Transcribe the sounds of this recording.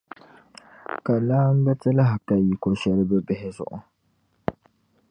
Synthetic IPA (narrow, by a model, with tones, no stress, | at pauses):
ka˨laː˦m̩˦bɛ˦tɨ˦la˦ɦa˨ka˨ji˨ko˨ʃɛ˦lɨ˦bɛ˦bɪ˦hɪ˦zʊ̰˨ʔʊ̰˨